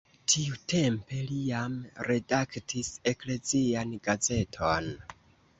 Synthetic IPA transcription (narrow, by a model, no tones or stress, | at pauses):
tʰiutʰe̞mpe̞liamɾe̞daktʰise̞kle̞zianɡaze̞tʰon